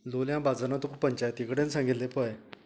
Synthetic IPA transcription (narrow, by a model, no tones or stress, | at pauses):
loljãbad͡zanat̪ukupəɲt͡ɕajt̪ikɽensãŋɡit̪lːepəj